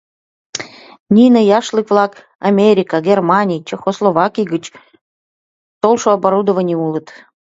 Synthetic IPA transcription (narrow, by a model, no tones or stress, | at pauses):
nʲinəjɑʃlɨkvlˠɑk | amʲeɾʲikəɡʲermɑnʲijt͡ɕexoslˠovɑkʲijɡət͡ɕ | t̪olˠʃoabaɾud̪ovənʲiulˠət̪